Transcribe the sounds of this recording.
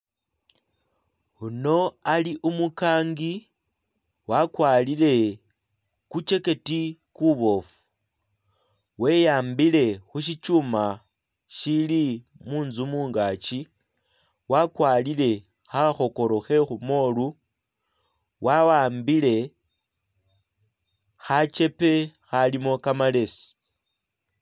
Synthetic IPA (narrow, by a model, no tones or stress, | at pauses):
uno̞aliʔumukaːŋɡi | wakwalile̞ | kut͡ʃe̞ke̞tikuβo̞fu̥ | we̞jaːmbile̞xuʃ̬it͡ʃuma | ʃili | muːnzumuːŋɡaːt͡ʃi | wakwaːlile̞ | xaxo̞ko̞ɾo̞xe̞xumo̞lu | wawaːmbile̞ | xat͡ʃe̞pe̞xalimo̞kamale̞si̥